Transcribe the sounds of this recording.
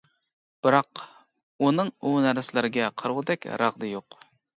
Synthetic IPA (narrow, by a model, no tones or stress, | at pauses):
b̥ɨɾɑq | unɨŋunæɾɪslɪɾɪɡʲɛqʰəɾʁʊd̪ɛkʲɾɑʁd̪ɨjoq